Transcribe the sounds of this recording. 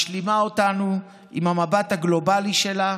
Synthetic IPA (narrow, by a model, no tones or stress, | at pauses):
ʃlimaotanu | imhamabathaɡlo̞baliʃe̞la